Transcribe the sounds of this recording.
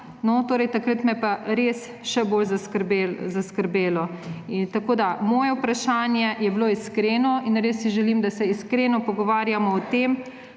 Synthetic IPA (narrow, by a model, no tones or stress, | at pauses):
nɔt̪oːɾɛjt̪akɾət̪mɛpaɾes | ʃɛboːlzaskəɾbezaskəɾbeːlɔint̪akoːd̪amɔːjɛwpɾaʃaːnjɛjɛbloːiskɾeːnɔinɾesːiʒɛlimd̪asɛiskɾeːnɔpɔɡɔʋaːɾjamɔːt̪eːm